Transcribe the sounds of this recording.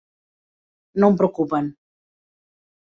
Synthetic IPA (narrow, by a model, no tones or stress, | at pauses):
nompɾokupan